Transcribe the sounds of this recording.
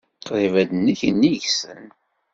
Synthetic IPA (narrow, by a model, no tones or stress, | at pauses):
qðˤivæd̪nːiçənːiʝsə̰n